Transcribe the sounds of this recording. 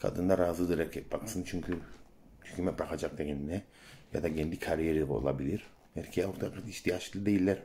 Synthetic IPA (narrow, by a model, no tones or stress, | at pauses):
kʰa̰d̪ɯnd̪aɾaːzɯd̪ɯɾɛcʰɛt̪̚baksɯnt͡ʃʰyɲcʰy | ycʰʲymɛbɾakʰad͡ʒak̚d̪eɾininɛ | ja̰d̪aɟɛnd̪ikʰaɾijeɾiɛbo̰lˠa̰bilʲiɾ̥ | ɛɾcʰejɛoɾt̪ʰakat̪iʃt̪ʰijat͡ʃllˠɯd̪ejilʲːɛɾ